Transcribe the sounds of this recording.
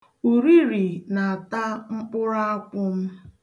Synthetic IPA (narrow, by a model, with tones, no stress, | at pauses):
u˨ɾi˦ɾi˨na˨ta˦ŋ͡m̩˦k͡pʊ˦ɾa˦a˦kʷʊ˦m̩˦